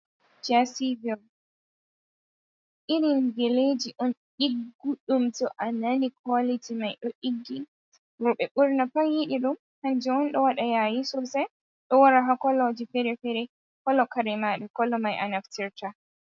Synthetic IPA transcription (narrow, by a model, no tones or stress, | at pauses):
d͡ʒasiviɾ | ʔiɾinɡeled͡ʒiʔɔnɗiɡːuɗumtɔʔananikalitimajɗɔʔiɡːi | ɾɔɓɛɓuɾnapaŋjiɗiɗum | hand͡ʒɛɔnɗɔwaɗajajisɔsɛ | ɗɔwaɾaɦakɔlɔd͡ʒifɛɾɛfɛɾɛ | kɔlɔkaɾɛmaɗakɔlɔmajʔa̰naftiɾta